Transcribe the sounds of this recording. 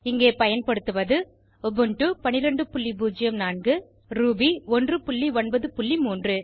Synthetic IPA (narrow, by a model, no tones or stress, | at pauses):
ɪŋɡeːpɐjɐnpɐɽɯt̪ːɯʋɐðɯ | ɔbɯɳʈɯpɐnɪɾɐɳɖɯpʊɭːibuːd͡ʒɪjɐmnaːɳɡɯ | ɾuːbiɔndrɯpʊɭːiɔɳbɐðɯpʊɭːimuːndrɯ